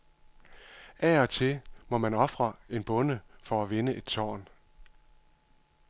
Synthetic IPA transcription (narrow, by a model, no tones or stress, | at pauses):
ʔæɒ̽t͡sʰe̝mɒ̽mænɒ̽fʁɐe̝nb̥ɔ̽nəfɒ̽æʋe̝nəʔe̝d̥sʰɒ̰ːn